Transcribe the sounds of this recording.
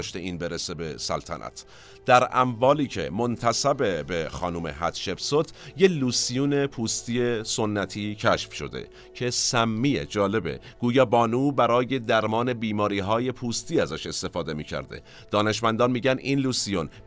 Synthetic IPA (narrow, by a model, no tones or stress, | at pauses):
ʃt̪eʔiːnbe̞ɾesebe̞sæ̰lt̪ʰæ̰nʔæ̰t̪ʰ | d̪̥æɾʔæ̰mvɒːliːcʰe̞̰mo̞nt̪ʰæsæbe̞bexɒ̰ːnuːme̞̰ɦæt̪ʃe̞bsot̪ʰjeluːsijuːne̞pʰuːst̪iːeso̞nːæt̪ʰiːcʰæʃfʃo̞̰d̪ḛ | cʰe̞sæmːiːjḛd͡ʒɒːle̞be̞̰ | ɡ̥uːjɒːbɒːnuːbæɾɒːje̞d̪æɾmɒːne̞biːmɒːɾiːɦɒːje̞pʰuːst̪iːæzæʃe̞st̪e̞fɒːd̪e̞miːcʰæ̰ɾd̪e̞̰ | d̪̥ɒːne̞ʃmænd̪ɒnmiːɟæninluːsijon